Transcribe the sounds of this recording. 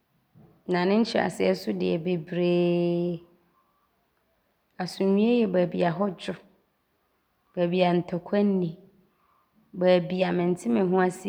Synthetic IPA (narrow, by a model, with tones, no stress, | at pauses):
nã˨nɪ̃˦ɲ̩˦t͡ɕʰɪ˦a̰˨sɪ˨ɛ˦sʊ˦dɪ̰˨ɛ˨be˨bɾeː˦ | a˨sũ˨ɲĩ˦e˦jɛ˨bæ˨bi˨a˨ɦɔ˦d͡ʑᶣʊ˦ | b̥æ˨bi˨a˨n̩˨tʰɔ˨kʷʰɛ˦nː˦ĩ˨ | ba˨bi˨a˨mɪ̃˨n˨tʰɪ˦mɪ̃˨˦ɦʊ̃˦a˦sɪ˦˨